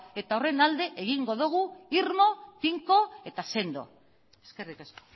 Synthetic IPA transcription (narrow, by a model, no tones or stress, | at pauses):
e̞t̪ao̞re̞nald̪e̞ʔeɣ̞iŋɡo̞ðuɣ̞uiɾmo̞piŋko̞e̞t̪ase̞nd̪o̞̰ | eskerikasko̥